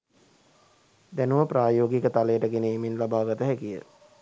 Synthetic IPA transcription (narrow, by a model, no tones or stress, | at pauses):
d̪ænuʋəpraːjoːɡikət̪aləjəʈəɡeneːminlabaːɡat̪əɦækijə̰